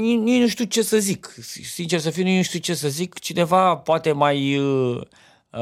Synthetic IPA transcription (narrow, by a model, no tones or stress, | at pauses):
ninujnuʃt̪iut͡ʃe̞səzikisint͡ʃe̞rsəfijnujnũʃt̪iut͡ʃe̞səzikt͡ʃine̞vapoat̪e̞majə